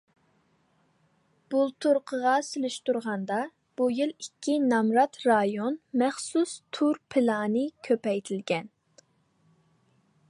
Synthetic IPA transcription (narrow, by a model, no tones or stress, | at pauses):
b̥ulˠt̪ʰuɾqʰəʁɑsɪlɪʃt̪uɾʁɑnd̪ɑ | b̥ujilˠikʲʰːinɑmɾɑt̪ɾɑjonmɛχsust̪ʰuɾpʰɪlɑːnɨkʲʰøpɛjt̪ʰɪlɡʲɛn